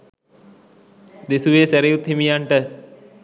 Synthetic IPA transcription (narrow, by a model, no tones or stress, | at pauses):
d̪esuʋeːsæɾijut̪ɦimijaɳʈə